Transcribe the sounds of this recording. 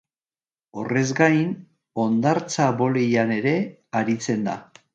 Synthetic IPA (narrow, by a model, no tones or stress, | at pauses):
o̞re̞zɡajn | o̞nd̪aɾt͡saβo̞lejane̞ɾe̞aɾit͡se̞nd̪a̰